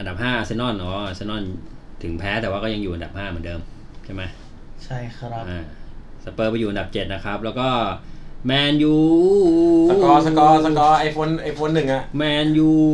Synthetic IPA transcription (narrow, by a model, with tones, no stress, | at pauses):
ʔa˧nda˨˩haː˥˩ʔa˧sa˦˥nɔ˥˩nʔɔː˨˦˧sa˦˥nɔ˥˩n | t̪ʰɯ˩˦ŋpʰɛː˦˥t̪ɛː˨˩waː˥˩kɔ˥˩ja˧ŋjuː˨˩ʔa˧nda˨˩haː˥˩mɯ˩˦ndɤː˧m | t͡ɕʰa˥˩ma˦˥j | t͡ɕʰa˥˩jkʰɾa˦˥ʔaː˧˩sa˧pɤː˧˩pa˧juː˨˩a˧da˨˩p̚t͡ɕe˨˩t̪̚na˦˥kʰɾa˦˥p̚lɛː˦˥wkɔː˥˩mɛː˧njuː˨˩ | aɔː˧sa˧kɔː˧sa˧kɔː˧ʔa˨˩jpʰo˧˥nʔa˨˩jfʰo˧˥nːɯ˨˩ŋʔa˨˩ʔmɛː˧njuː˨˧˩